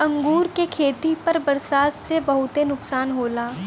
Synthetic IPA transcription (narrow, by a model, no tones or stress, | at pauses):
ɐ̃ŋɡuːɾkekʰeːt̪ipɐɾbɐɾsaːt̪sebɐɦʊt̪enʊksaːnɦoːlaː